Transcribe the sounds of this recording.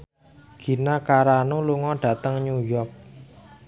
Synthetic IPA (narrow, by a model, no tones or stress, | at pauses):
ɡ̥i̤nakaɾanuluŋɔɖ̥ä̤t̪əŋɲujɔrk̚